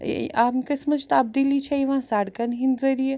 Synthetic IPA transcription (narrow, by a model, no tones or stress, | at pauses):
amkɐsmɐt͡ʃt̪ab̚d̪ilit͡ʃʰɐiʋãːsaɽkɐnɦinzɐɾije